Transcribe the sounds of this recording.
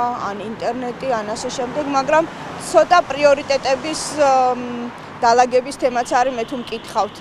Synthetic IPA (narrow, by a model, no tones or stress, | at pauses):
a̰nint̪ʼɛɾnɛt̪ʼianasɛʃɛmd̪ɛɡmaɡɾam | t̪sʰɔt̪ʼapʼɾiɔɾit̪ʼɛt̪ʼɛbis | d̪̥alˠaɡɛbist̪ʰɛmat̪sʰaɾimɛt̪ʰumkʼit̪ʰχavt̪ʰ